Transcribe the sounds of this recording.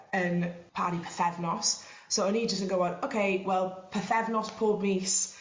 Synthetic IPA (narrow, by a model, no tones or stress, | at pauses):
ənpʰaːɾipʰə̥θɛvnɔsːowəniːdd͡ʒəskə̃nɡoʊɔ̃nowkʰeɪwɛlˠpʰəθɛvnɔspʰɔːbniːs